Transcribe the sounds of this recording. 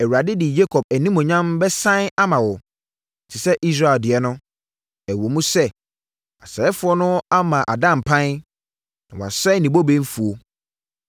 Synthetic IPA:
ɛ˨wu˨a˨dɪ˦dɪ˨d͡ʑe˦kʰɔ˨b̚æ˨nĩ˦mʊ̃˨ɲã˦mbɛ˦sã˦n˦a˦mã˨wɔ˨ | tʰɪ˨sɛ˦ʔi˦s̬ɾa˦˨e˨ldɪ˨ɛ˨˦nʊ̃˦ | æ˨wo˨mũ˦sɛ˦ | a˨sɛ˨ɛ˦fʊ˨˦ɔ˦nʊ̃˦a˦mã˨ʔa˨dã˦m̩˨pʰã˦n˦ | nã̰˨wa̰˨sɛ˦nĩ˨bo˦bẽ˦n˦fu˨o˨

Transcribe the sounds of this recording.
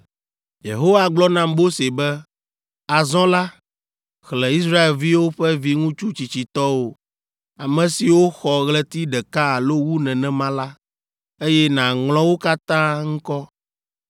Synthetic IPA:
jḛ˨ɦo˦wa˨ɡ͡blɔ˦nã˦mbo˦se˨bɛ˦ | a˨zɔ̃˦la˦ | xlɛ̃˨i˦s̬ɾa˦e˨lvi˦wo˦ɸɛ˦vi˦ŋũ˦t͡ʃu˦t͡ɕi˨t͡ɕi˨t̪ɔ˦wo˨ | a˨mɛ̃˨si˨wo˦xɔ˨ɣlɛ˦t̪i˦ɖɛ˨ka˦a˨lo˦wu˦nɛ̃˨nɛ̃˨mã˦la˦ | e˦jɛ˦nã˨ŋl̃ɔ̃˦wo˦ka˦t̪ã˦ŋ̩̃˦kɔ˦

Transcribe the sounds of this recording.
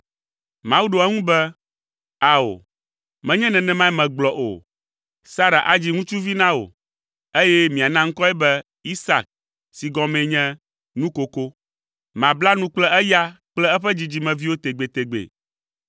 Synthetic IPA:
mã˨wu˦ɖo˨ɛ˦ŋũ˦bɛ˦ | a˨o̰˨ | mɛ̃˨˦ɲɛ̃˦nɛ̃˨nɛ̃˨mã˦ɛ˦mɛ̃˨ɡ͡blɔ˨ʔo̰˨ | sa˦ɾa̰˨ʔa˨d͡ʑi˦ŋũ˦t͡ʃu˦vi˦nã˦wo̰˨ | e˦jɛ˦mĩ˨a˨nã˦ŋ̩˦kɔ˦ɛ˦bɛ˦ | i˦sa̰˨k̚ | si˨ɡɔ˦mɛ̃˨ɲɛ̃˦ | nũ˦ko˨ko˦ | mã˨bla˦nũ˦k͡plɛ˦ʔɛ˦ja˦k͡plɛ˦ɛ˦ɸɛ˦d͡ʑi˨d͡ʑi˨mɛ̃˨vi˦wo˦t̪e˨ɡ͡be˨t̪e˨ɡ͡bḛ˨

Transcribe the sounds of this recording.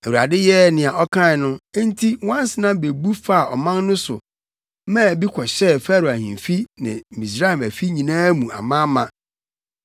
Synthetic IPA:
æ˨wu˨a̰˨dɪ˦jɛ˦nɪ̃˨a˨ʔɔ˦kʰã˦ɪ˨nʊ̃˦n̩˦tʰi˦wã˦n˦sɪ˦nã˦be˨bu˦fa˦a˨ʔɔ˨mã˦nnʊ̃˦sʊ˨ | mãː˦˨bi˦kʰɔ˨ɕɛ˦˨fæ˦ɾʊ˨æ˨hḭ̃˨m˨fi˦nɪ̰̃˨mĩ˨s̬ɾa˦ɛ˨mæ˨fi˦ɲĩ˨nãː˦mũ˨a̰˨mã˦mã˦

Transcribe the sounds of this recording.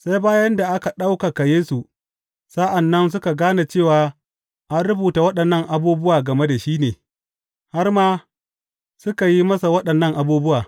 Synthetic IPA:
sa˦jbaː˦jɐ˦nda˨ʔa˦ka˨ɗa˦wka˨ka˨jeː˦su˨ | sa˦ʔa˨nːɐ˦ns̬ʊ˦ka˨ɡaː˦na˨t͡ʃeː˦˨waː˨ | ʔa˦nɽʊ˦buː˨ta˨wɐ˦ɗɐ˨nːɐ˦ŋʔa˨buː˦bʊ˦waː˨ɡɐ˨me˦da˨ʃiː˦neː˨ | ha˦rmaː˦ | sʊ˦ka˨ji˦mɐ˦sa˨wɐ˦ɗɐ˨nːɐ˦˨ŋʔa˨buː˦bʊ˦waː˨

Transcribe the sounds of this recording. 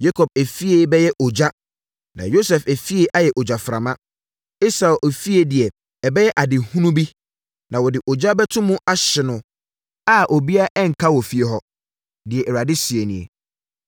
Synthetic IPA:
ja˦kʰɔ˨b̚æ˨fi˦e˦bɛ˦jɛ˦ʔo˨d͡ʑa˦ | nã̰˨jo˦sɛ˨fæ˨fi˦e˦ʔa˦jɛ˨ʔo˨d͡ʑa˨fɾa̰˨mã˦ | i˦sa˨ʔo˨fi˦e˦dɪ˨ɛ˨ | ɛ˨bɛ˦jɛ˦ʔa˨dɪ˨hũ˦nũ˦bi˦ | nã˨wɔ˨dɪ˨ʔɔ˨d͡ʑa˦bɛ˦tʰʊ̃˦mũ˦ʔa˦ɕɪ˨nʊ̃˨ | a˦ʔo˨bi˦a˦ʔɛ˦ŋ̩˨kʰa˦wɔ˨fi˦e˨ɦɔ˦ | dɪ˨ɛ˨ʔɛ˨ɾa˨dɪ˦si˨e˨nĩ˨ḛ˨

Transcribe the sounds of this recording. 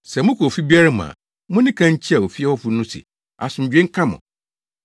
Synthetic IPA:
sɛ˨mʊ̃˦kʰfi˦bi˦a˦ɾa˦mã̰˨ | mʊ̃˦nɪ̃˦kʰã˦ɲ̩˦t͡ɕʰi˦a˨o˨fi˦ɛ˦wɔ˦fʊ˦nʊ̃˦sɪ̰˨ | a̰˨sʊ̃˨m̩˨d͡ʑᶣẽ˦ŋ̩˦kʰã˦mʊ̰̃˨

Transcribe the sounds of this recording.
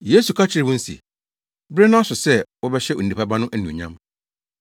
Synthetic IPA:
je˦su˨kʰa˦t͡ɕʰɪ˦ɾɪ˨wʊ̃˦n̩˦sḭ˨ | bɾe˦nʊ̃˦a˦sʊ˨sɛ˦wɔ˦bɛ˦ɕɛ˦o̰˨n̩˨ni˨pʰa˦ba˦nʊ̃˦ʔæ˦nũ˨ɲã̰˦m

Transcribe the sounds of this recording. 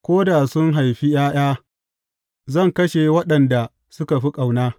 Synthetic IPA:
kʷoː˦da˨sʊ˦ŋɦa˨jɸi˦jaː˦j̰aː˦ | zɐ˦˨ŋkɐ˦ʃe˨wɐ˦ɗɐ˨nda˨ | sʊ˦ka˨ɸi˦kʼa˨wnaː˦

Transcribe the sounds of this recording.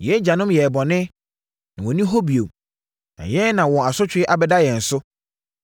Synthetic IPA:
jɛ˨˦d͡ʑa˨nʊ̃˦mjɛ˨bɔ˨nɪ̃˦ | nã˨wɔ̃˨nĩ˦ɦɔ˦bi˨o˨m | nã̰˨jɛ˦nã˨wɔ̃˨a˨sʊ˦t͡ɕʰᶣɪ˨˦ɪ˦ʔa˨bɛ˦da˦jɛ˨n̩˨sʊ˦

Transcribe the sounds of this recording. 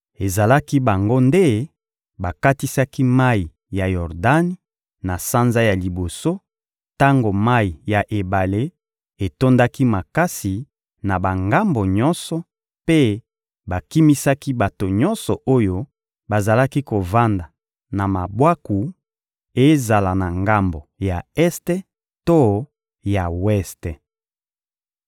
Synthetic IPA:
e˨za˨la˦ki˦ba˨ŋɡo˦nde˦ | ba˨ka˦ti˦sa˦ki˦ma˦i˨ | ja˨jɔ˨ʁda˦ni˦ | na˨sa˦nza˦ja˨li˨bo˨so˦ | ta˦ŋɡo˨ma˦i˨ja˨ʔe˨ba˨le˦ | e˨to˦nda˦ki˦ma˨ka˦si˨ | na˨ba˨ŋɡa˦mbo˨ɲɔ˦nsɔ˨ | pe˦ | ba˨ki˦mi˦sa˦ki˦ba˨to˨ɲɔ˦nsɔ˨ʔo˦jo˦ | ba˨za˨la˦ki˦ko˨va˦nda˨ | na˨ma˨bwa˦ku˨ | e˦za˨la˨na˨ŋɡa˦mbo˨ja˨ɛ˦ste˦ | to˦ | ja˨wɛ˦ste˨

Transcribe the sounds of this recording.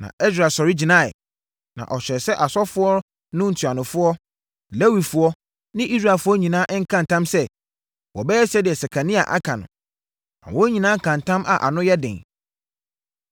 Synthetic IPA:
nã̰˨ɛ˦s̬ɾa˨sɔ˨ɾi˦d͡ʑi˨nã˦˨ɛ̰˨ | nã̰˨ʔɔ˨ɕᶣɛ˨ɾsɛ˦ʔa˨sɔ˦fʊ˦ɔ˦ | nʊ̃˦n̩˨tʰu˨a˨nʊ̃˨fʊ˦ɔ˦ | le˦wi˨fʊ˦ɔ˦ | nɪ̃˦ʔi˦s̬ɾa˨fʊ˦ɔ˦ɲĩ˨nãː˦ʔŋ̩˦kʰã˦n˨tʰã˦msɛ˦ | wɔ˨bɛ˦ɛ˦sɛ˦dɪ˨ɛ˨sɛ˨kʰa˨nĩ˦a̰˨ʔa̰˦kʰã˨nʊ̰̃˨ | nã̰˨wɔ̃˦ɲĩ˨nãː˦˨kʰã˨n˨tʰã˦mʔa̰˨ʔa̰˨nʊ̃˦jɛ˦dɪ̰̃˨ŋ

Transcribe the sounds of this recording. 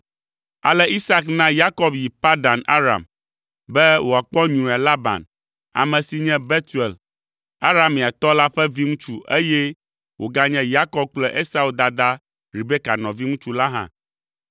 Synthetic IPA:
a̰˨lɛ˦ʔi˦sa˦knã˦ja˦kɔ˦bji˨pa˦ɖa˨na̰˦ɾa̰˨m | bɛ˦wo˨a˨k͡pɔ˦ɲũ˨a˨la˦bã̰˨n | a̰˨mɛ̃˨si˨ɲɛ̃˦be˦t̪u˨e˨l | a˦ɾa˦mːĩ˨a˨t̪ɔ˦la˦ɸɛ˦vi˦ŋũ˦t͡ʃu˦ʔe˦jɛ˦ | wo˨ɡa˦ɲɛ̃˦ja˦kɔ˦b̚k͡plɛ˦ʔe˦sa˦u˦d̪a˨d̪a˦ | ɾi˨be˦ka˨nɔ̃˨vi˦ŋũ˦t͡ʃu˦la˦ɦã̰˦˨

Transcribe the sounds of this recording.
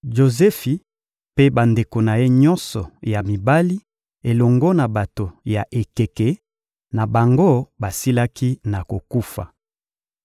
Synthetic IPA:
ʒo˨zɛ˦fi˨ | pe˦ba˨nde˨ko˨na˨je˦ɲɔ˦nsɔ˨ja˨mi˨ba˦li˦ | e˨lɔ˨ŋɡo˦na˨ba˨to˨ja˨ʔe˨ke˨kɛ˨ | na˨ba˨ŋɡo˦ba˨si˦la˦ki˦na˨ko˨ku˦fa̰˨

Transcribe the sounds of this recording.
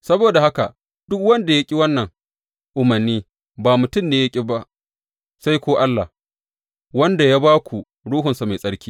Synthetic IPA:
sɐ˦boː˨da˨ha˦ka̰˨ | d̥ʊ˦kwɐ˦nda˨ja˦kʲʼi˦wɐ˦nːɐ˨ŋ | ʔʊ˨mɐ˨rniː˦ | baː˨mʊ˨tʊ˦˨mneː˦ja˦kʲʼi˦ba˦ʔ | sa˦jkʷoː˦ʔa˦lːa̰˨ | wɐ˦nda˨jaː˦baː˦kʷu˨ | ɽuː˦ɦʊ˨nsa˨ma˨jsʼɐ˦ɽkʲi̥ː˦

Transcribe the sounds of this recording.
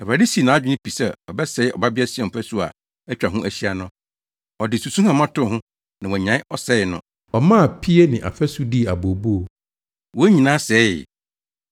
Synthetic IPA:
ɛ˨ɾa˨di˦si˨nã˨˦d͡ʑᶣɪ˦nɪ̃˦pʰi˨sɛ˦˨ɔ˨bɛ˦sɛ˨˦ɪ˦ɔ̰˨ba˦bɪ˦a˦sɪ˨˦ɛ̃˨m̩˨pʰɛ˦su˦a̰˨ | ɛ˦t͡ɕᶣɾa˨ɦʊ̃˦ʔæ˨ɕi˦a˨nʊ̃˦ | ɔ˨dɪ˨su˨sũ˦hã˨mã˦tʊ˦˨hʊ̃˦ | nã˨wɔ˨ɲã˨˦ʔɔ˦sɛ˦˨nʊ̰̃˨ | ɔ˨mã˦˨pʰi˦e˦nɪ̃˨ʔa̰˨fɛ˦su˦di˦˨a˨bo˨bu˦o˨ | wo˦ɲĩ˨nãː˦sɛ˨˦˨

